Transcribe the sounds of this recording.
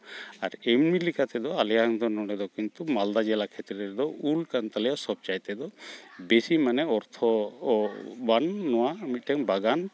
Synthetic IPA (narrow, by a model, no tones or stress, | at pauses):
a̰ɾɛmmilikat̪ɛd̪ɔalɛjaŋd̪ɔnɔɽɛd̪ɔkint̪umald̪ad͡ʒɛlakʰɛt̪ɾɛɾd̪ɔulkant̪alɛjasɔb̚t͡ʃajt̪ɛd̪ɔbesimanɛɔɾt̪ʰɔ | banːɔwamit̪̚ʈɛŋbaɡan